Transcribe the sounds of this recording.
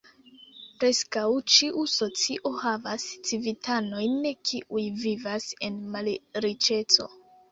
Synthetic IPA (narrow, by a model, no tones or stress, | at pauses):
pɾe̞skawt͡ʃiʔuso̞t͡siʔo̞havast͡sivitʰano̞jnekʰiʔujvivase̞nmalɾit͡ʃe̞t͡so̞̰